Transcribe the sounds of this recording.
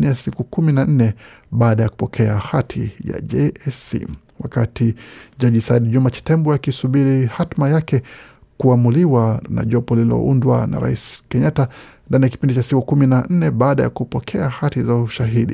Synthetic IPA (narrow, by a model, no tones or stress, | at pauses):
niasikukuminan̩nɛ | ɓaːɗajaku̥pɔkʰɛahatʰḭja̰ʄɛɛsḭ | wakatiʄaʄisaiɗiʄumat͡ʃi̥tɛmbuakisuɓiɾihatmajakɛ | kuamuliwana̰ʄɔpɔlilɔ̰undwa̰na̰ɾa̰iskɛɲatandaniaki̥pindit͡ʃasikukuminan̩nɛɓaːɗaja̰kupɔkʰɛahatizauʃaɦiɗḭ